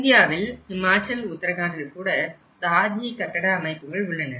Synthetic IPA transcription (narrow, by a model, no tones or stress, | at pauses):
ɪnd̪ɪjaːʋɪlhɪmaːt͡ʃɐlʊt̪ːɐɾɐɣaːndɐkuːɽɐ | saːd̪ʱikɐʈːɐɽɐːmɐɪpːɯɣɐɭʊɭːɐnɐɾ